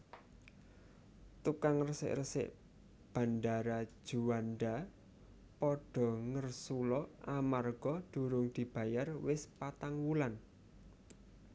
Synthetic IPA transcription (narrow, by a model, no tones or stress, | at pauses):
t̪ukaŋrəsɪ̰ʔrəsɪ̰ʔ | b̥a̤ndaɾḁʒ̥uwanɖa | pɔɖ̥ɔ̤ŋərsulɔʔamarɡ̥ɔd̪̥ṳɾʊŋd̪̥i̤b̥ä̤jarwɪspat̪aŋwulan